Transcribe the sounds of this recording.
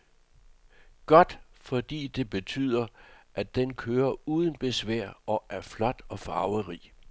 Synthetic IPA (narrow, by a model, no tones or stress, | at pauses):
ɡ̥ɒ̽d̥fɒ̽d̥ḭːd̥e̝b̥e̝t͡sʰy̰ːð̞̰ˠɐʔæd̥enkʰøːɐuːðˠən̩b̥e̝sʋæɐ̰ɒ̽ʔæɐflɒ̽d̥ɒ̽fɑ̈ːʊəʁḭ